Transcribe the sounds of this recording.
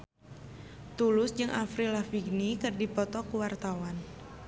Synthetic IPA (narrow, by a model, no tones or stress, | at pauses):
t̪ulʊsd͡ʒɨŋʔafɾilafiɡnikɨrdipɔt̪ɔkuwart̪awan